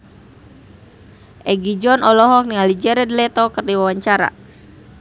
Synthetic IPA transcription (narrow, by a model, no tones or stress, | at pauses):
ʔɛɡid͡ʒɔnɔlɔɦɔk̚niŋalid͡ʒɛɾɛdlɛt̪ɔkərdiwawaɲt͡ʃaɾa̰